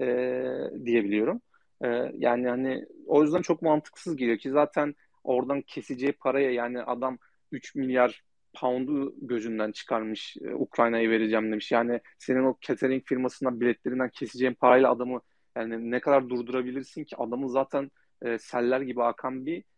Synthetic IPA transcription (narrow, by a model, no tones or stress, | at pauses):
ɛːd̪ije̞bilʲijo̞ɾum | ɛːjaːnihanḭo̞jyzd̪ænt͡ʃʰo̞k̚mant̪ʰɯ̥ksɯzɟelʲijocʰizaːt̪ʰæn | o̞ɾd̪ancʰe̞sed͡ʒɛpʰaɾajajaːniʔa̰d̪am | yt͡ʃmilʲjaɾ | pʰand̪uɟø̞zynd̪ænt͡ʃʰɯ̥kʰaɾmɯʃukɾajnajɯve̞ɾed͡ʒæmd̪e̞miʃjaːnɪ | se̞nino̞cʰet̪ʰeɾiɲcfiɾmasɯnabilʲɛt̪lʲe̞ɾind̪æncʰe̞sed͡ʒeimpʰaɾajlʲˠaːd̪amɯ | jaːninɛkʰad̪aɾd̪uɾd̪uɾabilʲiɾsincʰiad̪amɯzaːt̪ʰæn | ɛːsælʲːæɾɟibiakʰambi